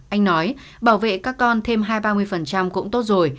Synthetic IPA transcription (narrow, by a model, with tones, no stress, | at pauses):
ʔa˧jŋ̟nɔ˨˦j | ɓaː˧˩wvḛ˧˨kaː˦˥kːɔ˧nt̪ʰe˧mɦaː˧jɓaː˧mɨ˧əjfə˨˩nt͡ɕa˧mkʊ̰˧˥ŋ͡mt̪o˦˥t̚zo˨˩j